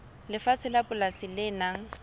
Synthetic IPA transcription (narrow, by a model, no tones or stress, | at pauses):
lɪfasɪlapʊlasɪlɪnaŋ̩